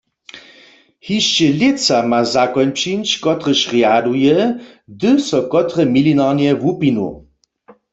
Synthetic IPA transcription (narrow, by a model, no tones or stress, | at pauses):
hiʃt͡ʃɛlet͡samazakɔnpʃinʃkɔt̪ʁəʃʁjadujɛ | dɨsɔkɔt̪ʁɛmilinaʁnjɛʋupinṵ